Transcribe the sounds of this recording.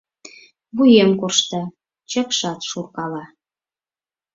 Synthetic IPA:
βujemkorʃt̪ə̆ | t͡ɕə̆kʃɑt̪ʃurkɑlɑ

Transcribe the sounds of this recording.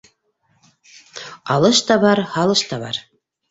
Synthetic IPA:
ɑlˠɤʃt̪ɑβɑɾhɑlˠɤʃt̪ɑβɑ̰ɾ

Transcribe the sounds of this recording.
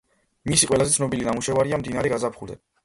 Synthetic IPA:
misiqʼwɛlazɛt̪sʰnɔbilinamuʃɛvaɾiamd̪inaɾɛɡazapʰχuld̪ɛ̰

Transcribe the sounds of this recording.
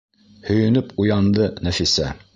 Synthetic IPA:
hɵ̆jɵ̆nɵpujɑnd̪ɤnæfisæ

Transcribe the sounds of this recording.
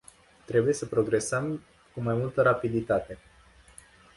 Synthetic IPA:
t̪ɾe̞buje̞səpɾo̞ɡɾe̞səm | kumajmult̪əɾapid̪it̪at̪e̞

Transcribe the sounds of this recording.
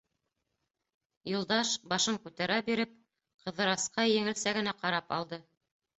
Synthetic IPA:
jŭlˠd̪ɑʃbɑʃɤŋkʉt̪æɾæbiɾɘp̚ | qɤ̆ðɤ̆ɾɑsqɑjɘ̆ŋɘ̆lsæɡɘ̆næqɑɾɑpɑ̰lˠd̪ɤ

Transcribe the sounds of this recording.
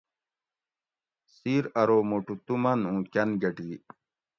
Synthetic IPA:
siːɾɐɾoːmoʈut̪umɐnũːkɐnɡɐʈiː

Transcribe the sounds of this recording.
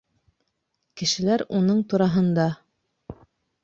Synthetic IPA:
kɘ̆ʃɘ̆læɾunɤɴt̪uɾɑɦɤ̆nd̪ɑ

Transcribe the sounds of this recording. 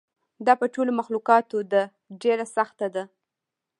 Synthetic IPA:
d̪ɑpəʈolomaxluqɑt̪od̪ə | ɖeɾasaxt̪ad̪a

